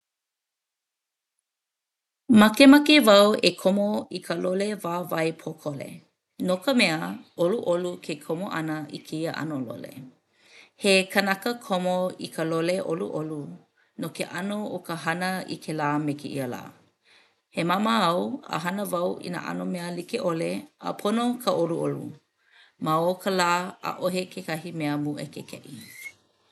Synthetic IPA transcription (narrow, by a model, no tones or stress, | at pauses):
mɐkemakevɐwekʰomoikʰəlolevaːvɐjpʰokʰolḛ | nokəmɛəʔoluʔolukʰekʰomoʔɐnəʔikʰeiəʔa̰nolo̰lḛ | hekʰənakəkʰomoikʰəloleʔo̰lṵʔolu | nokeʔanookəɦɐnəḭkʰelaːmekiʔḭəla̰ː | hemaməɐwə̰ɦɐnəvɐwʔḭnə̰ʔa̰nomɛəlikeʔoleə̰pʰonokʰəʔoluʔolṵ | maokʰəlaːə̰ʔoɦekʰekaɦimeəmuʔḛkekʰɛ̰ʔi